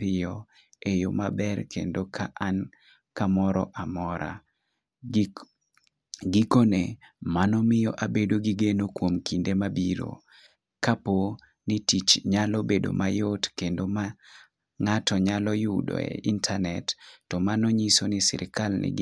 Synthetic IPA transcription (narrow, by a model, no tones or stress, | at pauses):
pɪjɔ | ejomabɛrkḛndokʰaʔan | kamɔɾɔ̰ʔamɔɾa̰ | ɡikonemanɔmɪjɔʔabedoɡiɡenokwomkindemabiɾo̰ | kapo | nitit͡ʃɲalobedo̰majotkendoma | ŋatɔɲalɔjudo̰ḛʔintʰanɛtːɔmanɔɲisonisɪ̰ɾʔɪkalnɪ̰